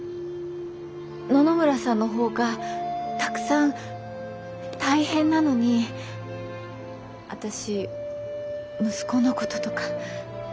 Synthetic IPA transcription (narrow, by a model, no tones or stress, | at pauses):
no̞no̞mɯ̟ɾasãnːo̞ɦo̞ːɡat̪akɯ̟̥sãn | t̪aihẽ̞nːano̞ɲ̟i | a̰t̪aɕi | mɯ̟sɨ̥ko̞no̞ko̞t̪o̥t̪o̞kḁ